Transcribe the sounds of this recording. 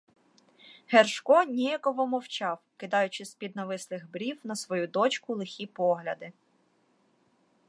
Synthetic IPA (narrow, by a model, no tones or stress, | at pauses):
herʃkɔnʲijɐkɔʋɔmɔwt͡ʃɑwkɪd̪ɑjʊt͡ʃɪsʲpʲid̪nɐʋɪslˠɪxbɾʲiwnɐsʋɔjud̪ɔt͡ʃkʊlˠɪxʲipɔɦlʲɐd̪ɪ